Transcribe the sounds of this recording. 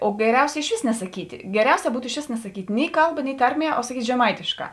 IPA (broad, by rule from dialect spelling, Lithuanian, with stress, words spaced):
oː ɡʲɛˈrʲɛʊsʲɛ ɪʃʲˈʋʲeːs nʲɛsɐˈkʲiːtʲɪ ɡʲɛˈrʲɛʊsʲɛ ˈbuːtʊ ɪʃʲˈʋʲeːs nʲɛsɐˈkʲiːtʲ ˈnʲɪ ˈkɐlˠˌbɐ nʲɪ ˈtɐrʲˌmʲiɛ oː sɐˈkʲiːtʲ ʒʲɛˈmɐɪtʲeːʃˌkɑː